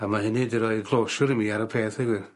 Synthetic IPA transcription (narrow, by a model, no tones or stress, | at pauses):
amaɦɪnidiɾɔɨɡlˠoːʃʊɾimiaɾəpʰeːθɛɡwɪr